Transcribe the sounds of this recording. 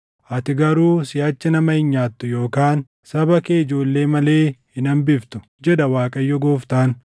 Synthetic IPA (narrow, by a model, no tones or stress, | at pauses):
ʔɐt̪ɪɡɐɾuːsɪjɐt͡ʃːɪnɐmɐhɪɲːaːt̪ːʊjo̞ːkaːn | sɐbɐkeːɪd͡ʒo̞ːlːe̞ːmɐle̞ːhɪnɐmbɪft̪ʊ̥ | d͡ʒɛd̪ɐwaːkʼɐjːɔɡoːft̪aːn